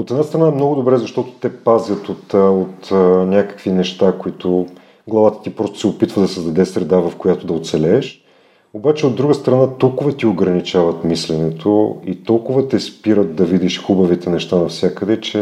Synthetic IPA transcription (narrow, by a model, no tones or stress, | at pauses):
ot̪ɛd̪nast̪ɾɐnaɛmnɔɡʊd̪obɾɛzɐʃt̪ɔt̪ʊ̥t̪ɛpazjət̪ot̪ot̪ːnʲakə̥kvinɛʃt̪akoit̪ʰʊ | ɡlˠɐvat̪ə̥t̪ipɾɔst̪o̥sɛopit̪vəd̪ɐsɛzd̪ɐd̪ɛsɾɛd̪avɐfkojat̪ʊd̪ɐot̪sɛlɛːʃ | obat͡ʃɛod̪ːɾuɡəst̪ɾɐnat̪ɔlˠkʊvɐt̪ioɡɾɐnit͡ʃavɐt̪mislɛnɛt̪ʰoit̪ɔlˠkʊvət̪ɛspiɾət̪̚d̪ɐvid̪iʃxubɐvit̪ɛnɛʃt̪anɐfsʲjakəd̪ɛt͡ʃɛ